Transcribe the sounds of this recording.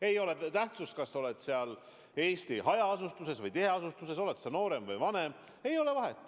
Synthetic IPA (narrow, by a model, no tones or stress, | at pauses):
e̞jo̞le̞t̪æht̪sust̪̚kɑsːɑo̞let̪seɑl | e̞ːst̪iɦɑjɑɑsust̪use̞svɯjt̪eɦe̞ɑsust̪use̞so̞let̪sɑno̞ːɾe̞mvɯjvɑne̞m | e̞jo̞le̞vɑɦet̪ːˑ